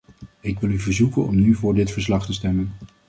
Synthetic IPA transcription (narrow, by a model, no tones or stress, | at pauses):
ɪkʋɪlˠyvəɹzukənɔmnyvʊːɹdɪtfəɹslɑχtəstɛmən